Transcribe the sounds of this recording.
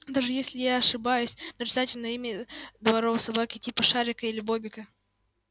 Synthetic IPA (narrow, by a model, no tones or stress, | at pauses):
d̪aʐɨjesʲlʲɪjaɐʂɨbajʊsʲnəɾʲɪzatʲɪlʲnəimʲɪd̪vɐɾovəsɐbakʲɪtʲipəʂaɾʲɪkəilʲɪbobʲɪkə